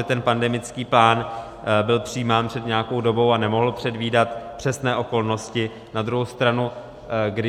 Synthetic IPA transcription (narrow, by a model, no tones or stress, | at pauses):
ɛt̪ɛnpandɛmɪt͡skiːplaːn | bɪlpr̝̥ijːmaːnpr̥ɛd̪ɲɛjako̞wdo̞bo̞wanɛmo̞ɦl̩pr̥ɛdviːdat̪pr̥ɛsnɛːʔo̞ko̞lno̞scɪ | nad̪ɾuɦowst̪ɾanu | ɡdɪ